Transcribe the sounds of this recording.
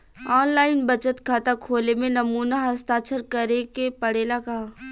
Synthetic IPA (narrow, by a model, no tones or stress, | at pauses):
ɔːnlaːɪnbɐt͡ʃət̪kʰaːt̪akʰoːlemẽnɐmuːnaɦɐst̪aːt͡ʃʰəɾkɐɾekepɐɽeːlaka